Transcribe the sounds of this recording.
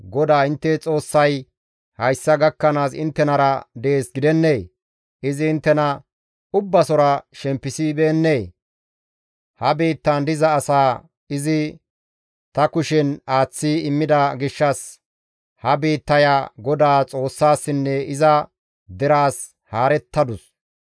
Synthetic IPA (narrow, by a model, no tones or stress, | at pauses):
ɡɔd̪aːɪnt̪ːɛt͡sʼo̞ːsːɐj | hɐjsːɐɡɐkːɐnaːsɪ̰nt̪ːɛnɐɾɐd̪e̞ːsɡɪd̪ɛnːeː | ʔɪzɪːnt̪ːɛnɐ | ʊbːɐsɔɾɐʃɛmpːɪsibe̞ːnːeː | hɐbeːt̪ːɐnd̪ɪzɐːsaː | ɪzɪ | t̪ɐkʊʃɛnaːt͡sːiːɪmːɪd̪ɐɡɪʃːɐs | hɐbiːt̪ːɐjaɡɔd̪aːt͡sʼo̞ːsːaːsːɪnːɛɪzɐ | d̪ɛɾaːs | haːɾɛt̪ːɐd̪ʊs